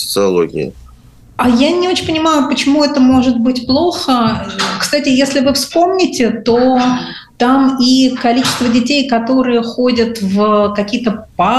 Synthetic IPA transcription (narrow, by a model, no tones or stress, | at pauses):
sə̥t̪sɨɐlˠo̰ɡʲɪ̰ɪ̰ | ajanʲɪo̞t͡ɕɪnʲpənʲɪmajʊpət͡ɕɪmuɛt̪əmo̞ʐɨt̪̚bɨtʲplˠo̞xəkst̪atʲɪjesʲlʲɪvɨfspo̞mnʲɪtʲɪt̪o | t̪amikɐlʲit͡ɕɪst̪vədʲɪtʲejkɐt̪o̞ɾɨjəxo̞dʲət̪vəkɐkʲijət̪əpa